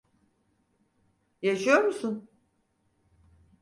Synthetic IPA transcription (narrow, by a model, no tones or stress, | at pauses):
jaʃɯjo̞ɾmusun